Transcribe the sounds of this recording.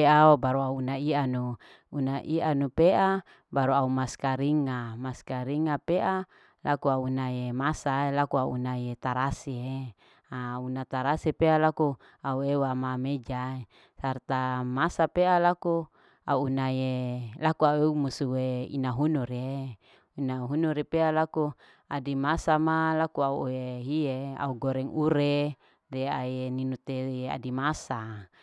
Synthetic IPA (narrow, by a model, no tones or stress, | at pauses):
eaobaɾuaunaianu | unaʔianupea | baɾuaumaskaɾiŋamaskaɾiŋapeʔa | lʔakuaunaemasaelakuaṵnajet̪aɾasie | aunat̪aɾasipealaku | auewamamed͡ʒae | sart̪amasapealaku | a̰uːnajelakuaueumusuweḭnaɦunuɾe | inaɦunuɾepealaku | adimasamalakuauoeɦiea̰uɡoɾɛŋuɾe | deajeninut̪ea̰dimasa